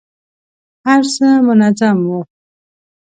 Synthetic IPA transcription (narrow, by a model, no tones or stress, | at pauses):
aɾsəmənat͡samwo